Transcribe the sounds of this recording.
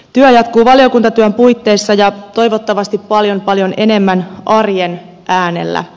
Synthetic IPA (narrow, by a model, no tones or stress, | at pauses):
t̪yæjɑt̪kuːʋɑljo̞kunt̪ɑt̪yæmpujt̪ːe̞ːsːɑjɑt̪o̞jʋo̞t̪ːɑʋɑst̪ippɑljo̞mpɑljo̞ne̞ne̞mːænʔɑrjen | ʔæːne̞̰lːæ̰